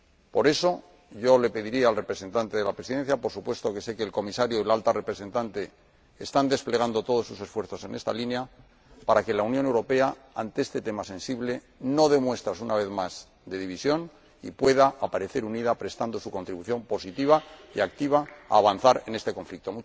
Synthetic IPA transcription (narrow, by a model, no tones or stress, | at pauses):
po̞ɾe̞so̞ | ʝo̞le̞pe̞ðiɾiaːlre̞pɾe̞se̞nt̪ant̪e̞ðe̞lapɾesiðe̞nθjapo̞ɾsupwe̞st̪o̞ke̞se̞ke̞ːlko̞misaɾjoilalt̪are̞pɾe̞sẽ̞nt̪ant̪e̞ː | st̪and̪e̞sple̞ɣ̞and̪o̞t̪o̞ð̞o̞sːuse̞sfwe̞ɾθo̞se̞ne̞st̪a̰linja | paɾake̞launjone̞wɾo̞pe̞a | a̰nt̪eest̪e̞t̪e̞mase̞nsiβle̞ | no̞ðe̞mwe̞st̪ɾasunaβe̞θmaz̥ | d̪e̞ðiβ̞isjo̞n | ḭpwe̞ðaʔːpaɾe̞θe̞ɾuniðapɾe̞st̪and̪o̞suko̞nt̪ɾiβuθjo̞mpo̞sit̪iβ̞aḭakt̪iβ̞aa̰ːβanθaɾe̞ne̞st̪e̞ko̞ɱflik̚t̪o̞mu